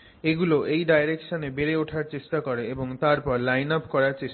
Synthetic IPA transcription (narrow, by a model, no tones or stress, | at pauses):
eɡuloʔejɖajɾekʃonebeɾeoʈʰaɾt͡ɕeʃʈakoɾeeboŋt̪aɾpɔɾlajnapkɔɾaɾt͡ɕeʃ